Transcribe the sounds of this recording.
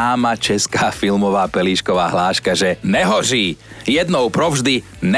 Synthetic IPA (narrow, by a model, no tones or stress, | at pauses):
aːmat͡ʃɛskaːfilmɔʋaːpɛliːʃkɔʋaːɦlaːʃkaʒɛnɛɦɔʒiːjɛd̪nɔʊpɾɔvʒd̪i | n